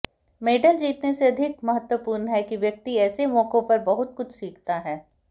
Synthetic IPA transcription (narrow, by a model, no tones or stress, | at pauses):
meːɖəld͡ʒiːt̪neseɐd̪ʱɪk̚mɐɦət̪wəpuːɾnəɦɛkiʋjɐk̚t̪iɛːsemɔːkõpɐɾbɐɦʊt̪kʊt͡ʃʰsiːk̚t̪aɦɛː